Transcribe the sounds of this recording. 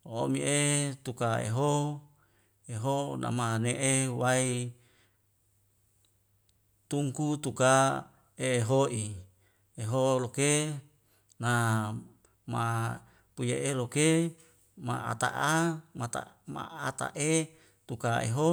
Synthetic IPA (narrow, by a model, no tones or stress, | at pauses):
oomiet̪ukaḛɦo | eɦona̰maneʔewai | t̪uŋkut̪uka | eːɦoʔi | eɦoloke | na | ma | pujeʔeloke | ma̰a̰t̪a̰ʔamat̪a̰ma̰at̪a̰ʔe | t̪ukaḛɦo